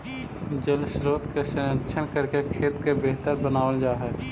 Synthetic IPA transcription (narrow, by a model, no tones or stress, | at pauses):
d͡ʒəlʃɪɾːət̪kesənət͡ʃʰənkəɾkekʰeːt̪kebeɦt̪əɾbənaːwəld͡ʒaːɦɛ